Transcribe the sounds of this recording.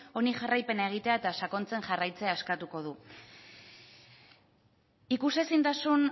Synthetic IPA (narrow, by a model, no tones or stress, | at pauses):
o̞niʝarajpe̞nae̞ɣ̞it̪e̞ae̞t̪asako̞nt͡se̞ŋʝarajt͡se̞aeskat̪uko̞ð̞u | ikuse̞sint̪asun